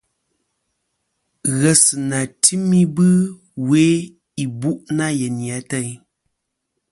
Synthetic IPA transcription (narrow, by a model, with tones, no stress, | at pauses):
ɣɛ˨sɨ˨na˨tʰi˦mi˦bɨ˦ | we˦ | i˨bu˦ʔna˦jɛ˨ni˨a˨˦tɛ˦˨ɲ˦